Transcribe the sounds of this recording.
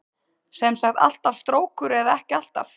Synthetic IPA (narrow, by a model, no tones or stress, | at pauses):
sejmsaxt̪a̰l̥t̪av̥st̪ɾoːwkʏɾɛðaɛhcɪal̥t̪a̰f